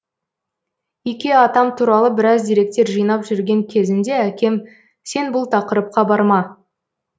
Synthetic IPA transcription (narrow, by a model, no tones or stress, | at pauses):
ikʲe̞ɑt̪ɑmt̪ʰuɾɑlˠəbɪɾɑzd̪ejɾe̞k̚t̪e̞ɾʒɯjnɑpʒʏɾɡʲe̞ŋkʲʰe̞zɪnd̪e̞ækʲe̞m | se̞nbʊlˠt̪ʰɑqəɾəp̚qɑbɑɾmɑ